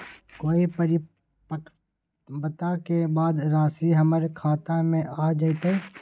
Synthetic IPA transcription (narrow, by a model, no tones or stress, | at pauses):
koːipəɾi | bət̪akebaːd̪ɾaːsiɦəməɾkʰaːt̪amẽʔaːd͡ʒaːit̪a